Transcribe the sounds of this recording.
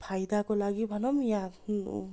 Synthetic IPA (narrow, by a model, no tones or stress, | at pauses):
pʰajd̪akɔlaɡibʱanɔmija